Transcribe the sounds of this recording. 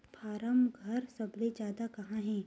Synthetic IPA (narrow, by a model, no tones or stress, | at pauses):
pʰaːɾəmɡʱɐɾsɐbled͡ʒaːd̪akɐɦãɦɛ̃ː